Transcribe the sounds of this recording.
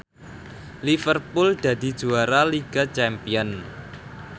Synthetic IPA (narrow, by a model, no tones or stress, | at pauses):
lifərpuld̪̥a̤d̪̥i̤̥d͡ʒ̥uaɾaliɡ̥a̤t͡ʃɛmpiɔn